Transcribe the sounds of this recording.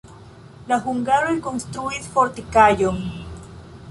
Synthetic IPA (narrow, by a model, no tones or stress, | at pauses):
laxuŋɡaɾwikonst̪ɾuiðfoɾt̪ikajo